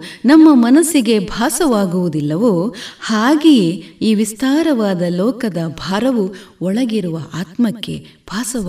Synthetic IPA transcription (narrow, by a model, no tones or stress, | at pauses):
nɐmːɐmɐnɐsiɡe̞bʱaːsɐʋaːɡuʋud̪ilːɐʋuhaːɡejiːʋist̪ʰaːɾɐʋaːd̪ɐlɔːkɐd̪ɐbʱaːɾɐʋuɔɭɐɡiɾuʋɐʔaːt̪mɐkːe̞̰b̥ʱaːsɐ